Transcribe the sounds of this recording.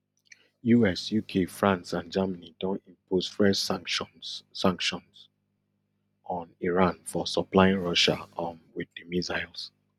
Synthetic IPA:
juɛsjukʰefɹãnsãnd͡ʒamanidɔ̃nĩmposfɹɛs | sãŋkʃɔ̃nz | ɔ̃niɹãnfɔsɔplaɪĩnɹɔʃa̰ɔnwiðəmizaɪlˠs

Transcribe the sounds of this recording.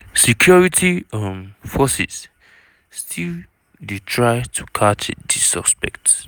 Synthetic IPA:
sikʰjɔɹitʰiɔ̃nfɔsḭs | stʰil | detʰɹaɪtʰukʰat͡ʃdisɔ̰spɛ̰kt

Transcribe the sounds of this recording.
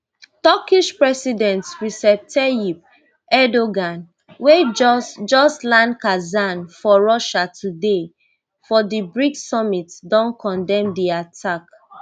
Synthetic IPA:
tɔkiʃpɹɛsidɛ̃ntɹisɛp̚tʰɛjip̚ | ɛdoɡãn | wed͡ʒɔslãnkazanfɔɹɔʃatʰude | fɔdibɹiksɔmitdɔ̃nkʰɔ̃ndɛ̃mdiatʰak

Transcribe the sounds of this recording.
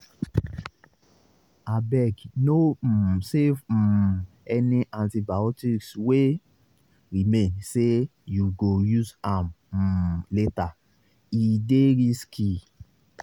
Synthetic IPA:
abɛɡnosef̩ | ɛniʔãntibaɔtikswe | ɾimẽnsejuɡojuzãm̩ | leta | ideɾiski

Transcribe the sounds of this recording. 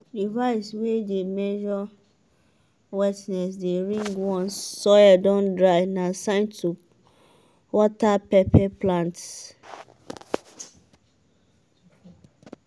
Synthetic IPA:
divaɪswedemɛʒɔ | wɛtnɛsdeɾĩŋɡwɔ̃nsɔjadɔ̃ndɹaɪnãsãɪ̃ntʰu | wɔtapɛpʰɛplãnts

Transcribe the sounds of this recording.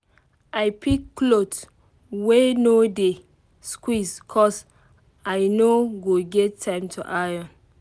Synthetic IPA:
ajpʰikːlot | wenode | skwiskʰɔs | ajnoɡoɡɛtʰːãɪ̃mtʰuʔajɔ̃n

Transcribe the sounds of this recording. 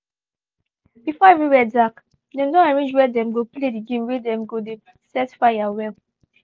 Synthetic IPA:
bifɔeviwɛdak | dɛ̃mdɔ̃aɹẽnd͡ʒwɛdɛ̃mɡoplediɡẽmwɛdɛ̃mɡodebisɛtfajawɛl

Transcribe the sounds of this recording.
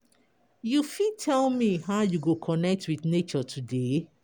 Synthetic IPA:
jufitʰɛlmiɦaʊjuɡokʰɔnɛk̚twiθnet͡ʃɔtʰude

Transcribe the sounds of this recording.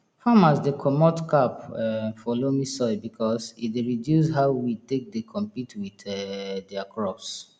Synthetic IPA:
haʊmasdekʰɔmɔtkapɛfɔlomisɔɪbikʰɔsieɹidjus̬ɦaʊwitek̚dekʰɔ̃mpitwiθɛdɛakʰɹɔfs

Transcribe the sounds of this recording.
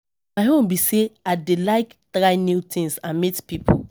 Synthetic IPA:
maɪɦõnbiseadelaɪkdɹaɪnitʰĩnsãnmitpipʰo̰

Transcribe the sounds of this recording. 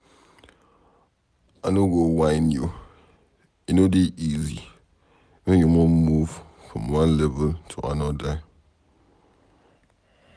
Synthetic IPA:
anoɡowaɪnjo | enodeʔizḭ | wɛ̃njomɔmuv | fɔ̃mwãnlɛvəltʰɔ̰a̰nɔdaɪ

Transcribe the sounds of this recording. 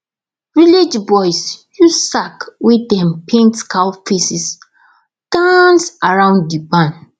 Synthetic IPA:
ɹilid͡ʒbɔjsjusakwidɛ̃mpʰẽntkalfesis | d̥ãnsaɹãʊ̃nddibãn

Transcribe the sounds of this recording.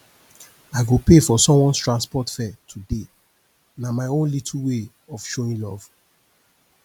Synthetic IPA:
aɪɡopefɔsɔ̃mwɔ̃nstɹãnspɔtfɛtʰude | namaɪõnlitʰl̩we | ɔv̥ʃoĩnlɔv̥

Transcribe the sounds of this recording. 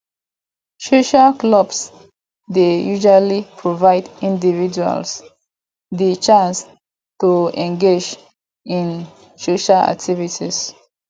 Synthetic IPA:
soʃaklɔbs | dejuʒalipʰɹovaɪdĩndivid͡ʒua̰ls | dit͡ʃãns | tuɛ̃ŋɡed͡ʒ | ĩn | soʃala̰k̚tʰivitis

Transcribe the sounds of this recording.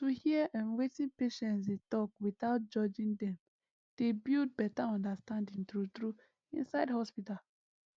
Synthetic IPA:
tuhiɛʔãnwetĩnpeʃɛ̃nts̬detɔkwiθaʊt̚d͡ʒɔd͡ʒĩndɛ̃m | d̥ebild̚bɛtaɔ̃ndastãndĩŋtɾutɹu | ḭ̃nsaɪdhɔspital

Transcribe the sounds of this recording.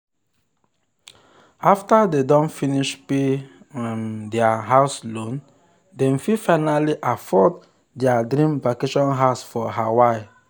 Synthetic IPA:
aftadedɔ̃nfiniʃpe | mdɛaɦaʊslõn | dɛ̃mfifaɪnaliʔafɔd | dɛadɾĩmbakeʃɔ̃nɦaʊsfɔɦawaɪ

